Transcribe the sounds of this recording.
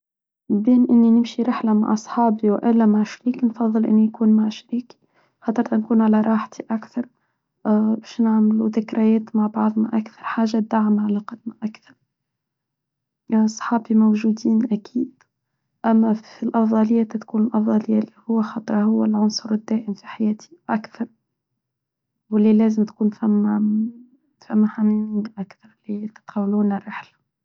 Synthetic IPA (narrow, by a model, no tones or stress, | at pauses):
beːnʔɪnːinɪmʃiɾɪħlama̰ʕʔɑsˤħɑːbiwʔɪlːæmaʕʃɾiːknfɑðˤːɨlʔɪ̰nːijkuːnmaʕʃɾiːki̥ | xɑt̪ˤːɑɾˤt̪nkuːnʕalaɾˤɑːħt̪ʰiʔakθɑɾˤ | bɛːʃnɪʕmluðɪkɾajɛːt̪maʕbɑʕðˤna̰ʔakθɑ̥ɾˤħaːʒːad̪aʕmaʕalaqɑd̪naʔakθɑɾˤ | sˤħɑːbimowʒud̪iːnʔækʰiːd̪̥ | ʔæmːæfilʔɑfd̪ˤɑlɪjːæt̪at̪kuːnlʔɑfd̪ˤɑlɪjːalihʊwːæxɑt̪ˤɾˤɑhʊwːælʕʊnsˤʊɾɪd̪ːæːʔɪmfiħajæːt̪ʰi̥ʔakθɑɾˤ | wɪlilæːzɪmt̪kuːnfæmː | fæmːaħamininʔakθɑɾˤlit̪ɪ̥t̪qawːluːnɪrːɪħlḁ